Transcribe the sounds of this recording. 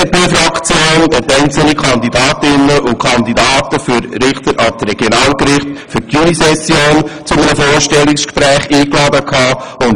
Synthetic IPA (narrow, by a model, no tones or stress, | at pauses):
tiːfɾɑkt͡sjoːnɛtɛɪnt͡sl̩nikʰɑnd̪idɑːtɪnəʔʊkʰɑndidɑːt̪əfyɾɾɪχtəɾʔɑtɾɛɡ̥jonɑːlkɾɪχtfyɾtynisɛsjoːnt͡sʊmənəfoːɾʃtɛlɪkskpɾɛːχiːklɑːdəkʰɑːʊn